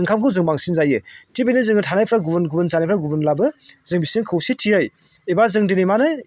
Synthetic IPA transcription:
ɯŋkʰamkʰɯwzɯŋbaŋsinzajɯtʰibijnɯzɯŋɯtʰanajpʰɾaɡubɯnɡubɯnsanajpʰɾaɡubɯnlabɯzɯŋbisɯŋkʰɯwsitʰiɯj | ebazɯŋdinijmanɯ

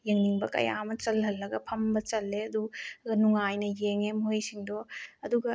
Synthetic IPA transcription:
jeŋniŋbɐkɐ̰ja̰mɐt͡ʃɐlɦɐlːɐɡɐpʰɐmbɐt͡ʃɐlːeɐduɡɐnuŋajnɐjeŋemuɦɐjsiŋdoɐduɡɐ

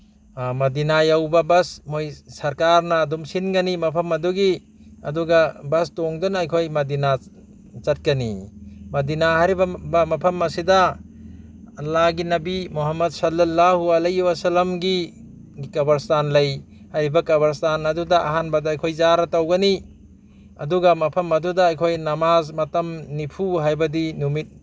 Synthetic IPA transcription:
mɐdinajawbabɐsmojsɐɾkaɾnaːdumsinɡɐnimɐpʰɐmɐduɡi | ɐ̰duɡabɐstoŋdunajkʰojmɐd̪ina | t͡ʃɐt̚kanḭmɐdinaɦaɾibabamɐpʰɐmːɐsida | lːaɡinɐbimuɦamːɐdsɐlːɐlːahuɐlejwɐsɐlɐmɡi | ikɐbɐɾstanlɐj | hajɾibɐkɐβɐɾstanɐdudaʔaɦanbadaːjkʰojzaɾatawɡɐni | ɐduɡamɐpʰɐmɐdudaːjkʰojnɐmazmɐtɐmnipʰuɦajbɐdinumit̚

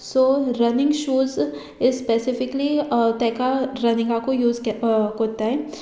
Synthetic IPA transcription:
soːɾɐnɪ̃ŋɡʃuːz | ɪspesɪfɪklit̪ɛːkaɾɐnɪ̃ŋɡakojuːzkoːt̪aɦɛː

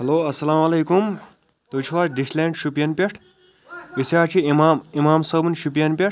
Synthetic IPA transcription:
hɐloːɐsɐlaːmɐlejkum | t̪ot͡ʃʰuwaɾɖislẽɳʈʃupijɐnpʲeʈʰ | isjaːt͡ʃʰimamimaːmsɐbunʃupijɐnpʲeʈʰ

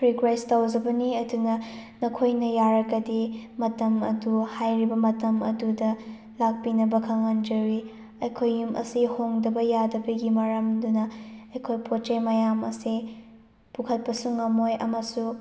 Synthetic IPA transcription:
pʰɾikɾajstawd͡ʒɐbɐniɐdunɐnɐkʰojnɐjaɾɐɡɐdimɐtɐmɐ̰duhajɾibɐmɐtɐmɐ̰dudɐ | lak̚pinɐbɐkʰɐŋand͡ʒɐwɾi | ɐjkʰojːumʔɐ̰sihoŋdɐbɐjadɐbɐɡimɐɾɐmdunɐɐjkʰojpʰot͡ʃemɐjamɐ̰si | pukʰɐt̚pɐsuŋɐmojʔɐmɐsu

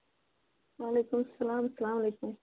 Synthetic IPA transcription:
waːlekʊmsalɑmsalɑmalekʊm

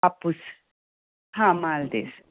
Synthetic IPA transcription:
apus | ɦãmald̪ḛs

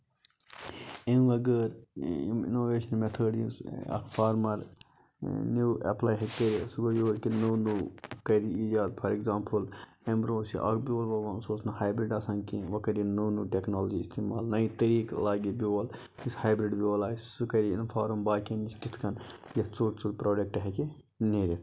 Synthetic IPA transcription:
inʋɐɡəːɾ̰ | ḭnoːʋeːʃɐnmet̪ʰəːɖisɐ̰kfaːɾmɐɾ | nuːʔɐ̰plaːjɦɐkkːɐɾisuɡɐjoːɾkinuːnuːkɐɾiiːd͡ʒaːd̪̚pʰɐɾeɡzãːmpʰɨl | embɾoːsḭʔɐ̰kbioːlʋɐʋɐːnsoːsnɐhaːjbɾiɖɐsãnkiʋɐkɐɾjinuːnuːʈʲeknoːld͡ʒiːst̪ʰiːma̰ːlnɐit̪ɐɾiːklaːɡibioːl | ishaːjbɾiɖbioːlaːssukɐɾiinfʰaːɾumbaːkiniskit̪ʰkɐnjɐst͡suːɾt͡suɾpɾoːɖek̚ʈɦeki | neːɾi

